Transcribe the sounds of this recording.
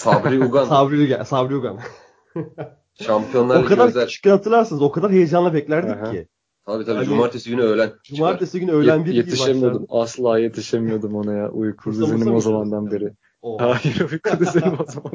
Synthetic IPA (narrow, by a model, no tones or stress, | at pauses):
sabɾiuɡansabɾiuɡa̰sabɾiuɡa̰n | ʃampijo̞nlˠaɾolkad̪aɾɾzt͡ʃʰi̥kːɯnhat̪ʰɯɾlˠaɾsɯnɯzo̞kʰad̪aɾɦe̞jed͡ʒanlˠabɛclʲæɾd̪icʰːɪ̰ | t̪ʰabiːt̪ʰabiad͡ʒumaɾt̪ʰːesiɡynyøjlʲænd͡ʒumaɾt̪ʰːesiɟynyø̞jlʲænbiɾjeiʃemijod̪umaslˠaːje̞t̪ʰiʃemijo̞d̪umonajaʔujkʰud̪ezenimozamand̪anbeɾɪ | ohaːjiɾujkʰud̪ɯzenimozaman